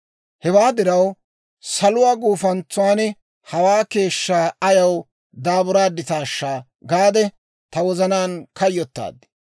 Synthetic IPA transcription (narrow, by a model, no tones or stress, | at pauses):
hɛwaːd̪ɪɾɐw | sɐlʊwaːɡuːfɐnt͡sːʊwaːnɛ | hɐwaːke̞ːʃːaːɐjɐw | d̪aːbʊɾaːd̪ɪt̪aːʃːaː | ɡaːd̪ɛ | t̪ɐwɔzɐnaːnkɐjːɔt̪ːa̰ːd̪ːɪ̥